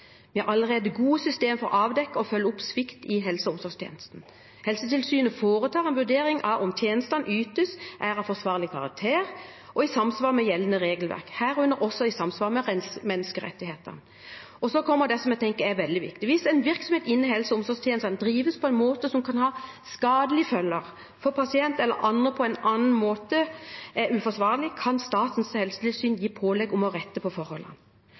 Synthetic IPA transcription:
ʋɪhɑʔɑlːəʁeːd̪əɡuːəsʏst̪eːmfɔɾɔ̰ʔɑːʋd̪ɛkːəɔfœlːəʊpsʋɪkt̪ɪɦɛlsəʊmsɔst̪ʰḛːnəst̪n̩ | hɛlsət̪ɪlsyːnəfoːɾət̪ʰɑːʁɛnʋʉɾd̪eːɾɪŋʔɑʋʔɔmt̪ʰjeːnəst̪ɑnʔyːt̪əsʔæːɾɑfɔʁsʋɑːʁlɪkʰɑʁɑ̰k̚t̪ʰeːʁʔɔɪsɑmːsʋɑːʁmɛjɛlːənəʁeːɡəlʋæ̰ʁkhæːʁʉnːəɾɔsɔɪsɑmsʋɑːʁmɛʁɛmɛnːəskəɾɛ̰t̪ːɪheːt̪ə̰n | ɔsɔkʰɔmːəɾd̪ɛsɔmjɛt̪ʰɛŋkəɾɛʋɛld̪ɪʋɪ̰kt̪ɪʋɪsɛɪnʋɪɾksɔmheːt̪ɪnːɪɦɛlsəʊmsɔɡst̪ʰɛːnsɛnd̪ɾiːʋəspʰɔɛnmoːt̪əsɔmkʰɑnhɑːskɑːd̪əlɪfœlːəɾ | fɔpʰɑsɪɛnt̪ɛlːə̰ɾʔɑnəpʰɔɛɪnɑnn̩moːt̪əʔɛɾʉfɔsʋɑːʁlɪkʰɑnst̪ɑːt̪n̩shɛlsəliːʋsyːnjiːpʰoːlɛɡɔmɔʁɛt̪ːəpʰɔfɔɾhɔlhɑ̰nː

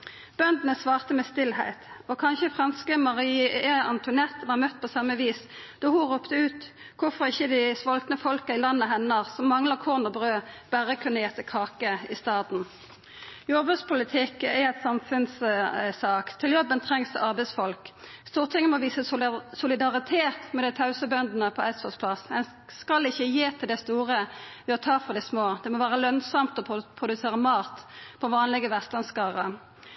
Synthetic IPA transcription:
b̥œnd̪n̩əsʋɑːʁt̪əmɛst̪ɪlhæɪt̪ɔkʰɑnçəfʁɑnskəmɑʁiːəɑnt̪ʰʊnɛt̪ːʋɑːʁmœt̪ːpʰɔsɑmːəʋiːs | d̪̥ɔːhʊʁuːpt̪əʉːt̪ | kʰʊfɔʁɪçːəd̪ɪsʋɔlt̪nəfɔlkəɪlɑnːəɦɛnəʁsɔmːɑŋləʁkʰoːʁnɔbʁøːb̥æʁəkʰʉnːəjɛt̪ːəkʰɑːkəɪst̪ɑːd̪n̩ | jɔʁbʉspʰʊlɪt̪ʰɪkɛɛt̪sɑmfʉnssɑːkt̪ʰɪljɔbːənt̪ʰʁɛŋsʔɑʁbɛɪsfɔlkst̪uːʁt̪ʰɪŋənmɔʋiːsəsʊlɪd̪ɑʁɪt̪ʰeːt̪mɛd̪ɛɪt̪ʰɑʉsəbœnd̪n̩əpʰɔɛsɔspʰlɑsːɛn | skɑlɪçːəjeːt̪ʰɪld̪ɛst̪uːʁəʋɪɔt̪ʰɑːfɔʁd̪ɛsmoːd̪ɛmɔʋæːʁəlœnsɑmt̪ɔpʰpʰʁʊd̪ʉseːʁəmɑːt̪pʰɔʋɑːnlɪɡəʋæʁst̪lɑnskɑːʁə

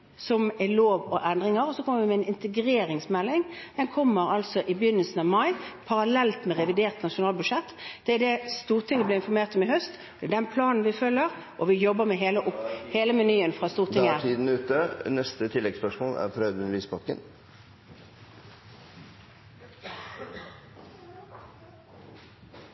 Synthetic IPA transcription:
sɔmæloːʋɔʔɛnd̪ʁɪŋəɾɔsɔkʰɔmːəɾʋɪmɛɛnɪnt̪əɡɾeːɾɪŋsmɛlːɪŋd̪̥ɛnkʰɔmːəɾɑlsɔʔɪbəjʏnːəlsn̩ɑʋmɑɪpʰɑɾɑlɛlt̪mɛʁɛʋɪd̪eːʁt̪nɑʂʊnɑːlbʉd̪ʂɛt̪ːd̪̥ɛæd̪ɛst̪uːʁt̪ʰɪŋːəblɪːɪnfɔɾmeːʁt̪ɔmɪɦœst̪ | d̪̥ɛɛd̪ɛnpʰlɑːnn̩ʋɪfœlːəɾ | ʔɔʋɪjɔbːəmɛɦeːləʔʊpheːləmɛnyːənfʁɑst̪uːʁt̪ʰɪŋːət̪ʰiːd̪n̩ʉːt̪ənɛst̪ət̪ʰɪlːɛɡspœʂmoːlæ̰ɾfɾœːd̪ʉnɾʋiːspʰɑkːə̰n

